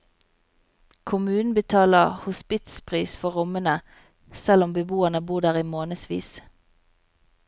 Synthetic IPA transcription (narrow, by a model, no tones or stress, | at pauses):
kʰʊmʉːnn̩bət̪ʰɑːləʁhʊspɪt̪spʰʁiːsfɔʁʊmənə | sɛlɔmbəbuːənəbuːʁd̪æːʁiːmoːnəsʋḭːs